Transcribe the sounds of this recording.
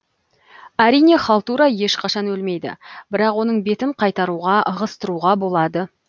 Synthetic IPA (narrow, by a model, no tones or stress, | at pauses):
æɾijne̞χɑlˠt̪uɾɑje̞ʃqʰɑʃɑnwɵlme̞jd̪ɪ̰b̥ɪɾɑqwo̞nəɴbe̞t̪ɪɴqʰɑjt̪ɑɾuʁɑʔəʁəst̪əɾuʁɑbo̞lˠɑd̪ə